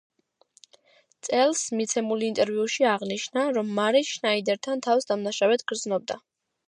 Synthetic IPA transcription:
t̪sʼɛlˠsmit̪sʰɛmulint̪ʼɛɾviuʃiaʁniʃnaɾɔmːaɾiʃnaid̪ɛɾt̪ʰant̪ʰafsd̪amnaʃawɛt̪ʰɡ̥ɾd̪znɔb̚d̪a

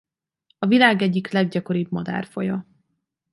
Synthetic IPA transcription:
ɒvilaːɡɛɟːiklɛɡ̚ɟɒko̞ɾibmɒd̪a̰ːrfojɒ

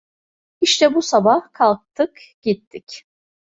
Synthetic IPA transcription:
iʃt̪ʰɛbusabahkʰalˠk̚t̪ʰɯkɟ̥it̪ʰːic

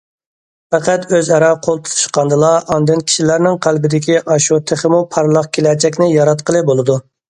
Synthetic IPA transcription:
fɛqæt̪øzɛɾɑqʰolˠt̪ʰu̥t̪ʰu̥ʃqɑnd̪ɨlˠɑɑnd̪ɨnkʲʰi̥ʃilæɾnɪŋqʰælbɪd̪ɪkʲiʔɑʃut̪ʰɪχɪmupʰɑɾlˠɑqkʲʰelɛd͡ʒɛk̬ʲnɪjɑɾɑt̪qəlˠɨbolˠɨd̪u

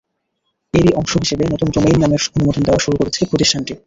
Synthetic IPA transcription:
eɾiʔɔŋʃoɦiʃebenɔt̪ond͡ʑomejnːameɾonumod̪ʱond̪eoaʃuɾukoɾet͡ɕʰepɾot̪iʃʈʰanʈi

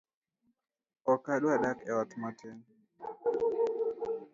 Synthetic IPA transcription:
ɔkaɗwaɗakɛwatmatʰɛn

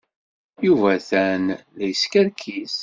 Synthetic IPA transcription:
juvæθænðæjəskəɾkʰis

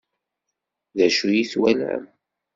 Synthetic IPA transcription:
ðæʃujiθwælʕə̰m

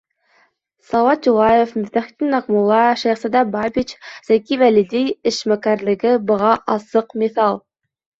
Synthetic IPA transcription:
sɑwɑt̪̚d͡ʒuʁɑjefmɵɾt̪æχt̪ʲinːɑqmulˠːɑʃæjχsæd̪ɑbɑbit͡ʃz̥ækʲivælid̪ejɪʃmækæɾlɘ̆ɡɪbŏʁɑʔɑsɤqmeθɑlˠ

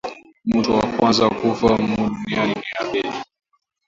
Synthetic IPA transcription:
mutɔwa̰kwanzakufam̩uɗunianiniaɓɛli

